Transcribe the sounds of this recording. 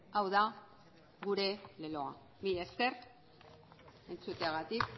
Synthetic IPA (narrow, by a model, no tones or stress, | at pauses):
awða | ɣuɾe̞le̞lo̞a̰ | miʎeske̞r | e̞nt͡sut̪eaɣat̪ik